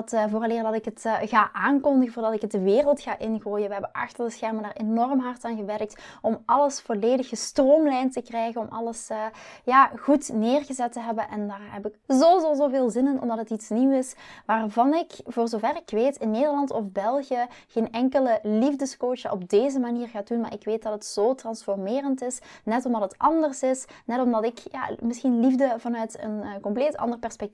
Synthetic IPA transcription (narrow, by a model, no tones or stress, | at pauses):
tːvoːrɑleːrdɑtɪkətɣaːʔaːnkɔndəɣəvoːrdɑtɪkət̚dəʋeːrəlˠtxaːʔɪnɣoːjəʋəɦɛbənʔɑ̰xtərbəsxɛrməndaːrenɔrmɦɑrtaːnɣəʋɛrk̚tɔmɑləsfɔleːdəxəstroːmlɛjntəkrɛjɣənɔmɑ̰ləsjaːɣutneːrɣəzɛtəɦɛbənʔɛndaːrɦɛpɪkzozozoːveːlˠzɪnənɔ̰mdɑtɦətitsniwɪsʋaːrvɑnɪkvoːrzoːvɛrɪkʋeːtɪnːeːdərlɑntɔfbɛlˠɣijəɣeːnɛŋkələlivdəskoːt͡ʃəʔɔb̚deːzəmaniːrɣaːdunma̰ːɹʔɪkʋeːt̚dɑtətsoːtrɑnsfɔrmeːrəntɪsnɛtɔmdɑtətʔɑndərsɪsnɛtɔmdɑtɪkja̰ːmɪsxinlivdəvɑnœɥtə̰nkɔmpleːtɑ̰ndərpɛrspɛk̚ti